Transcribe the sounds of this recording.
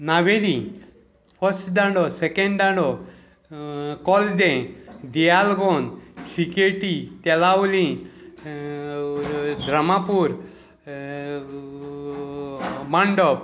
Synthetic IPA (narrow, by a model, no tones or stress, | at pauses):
naʋeɾĩ | pʰəɾsʈɖãɳɖɔsekeɳɖɖãɳɖɔ | kɔld̪ẽd̪ijalɡɔnsikeʈit̪ɛlawlĩ | d̪ʱɾəmapuɾ | maɳɖɔb̚